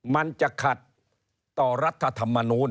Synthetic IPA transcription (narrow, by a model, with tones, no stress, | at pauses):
ma˧nt͡ɕa˨˩kʰa˨˩t̪̚ː | ɔː˨˩ɾa˦˥t̪ʰːa˧t̪ʰa˧mːa˧nuː˦˥n